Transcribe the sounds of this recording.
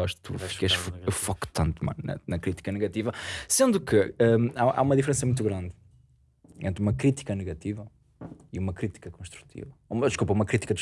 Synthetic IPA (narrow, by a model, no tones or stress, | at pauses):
ɔʃt̪ṵffikɐʃffɔkt̪ɐ̃nt̪mɐ̰̃nnɐ̰nɐkɾit̪i̥kɐnɨɣɐt̪ivɐsẽnd̪ukɨɛaʔa̰umɐðifɾẽs̬ɐmũt̪uɣɾɐ̃nd̪ | ḛ̃nt̪ɾumɐkɾit̪i̥kɐnɨɣɐt̪ivɐ | iumɐkɾit̪i̥kɐkõʃt̪ɾu̥t̪ʰḭvɐumd̪ɨʃkupɐumɐkɾit̪i̥kɐd̪ʃ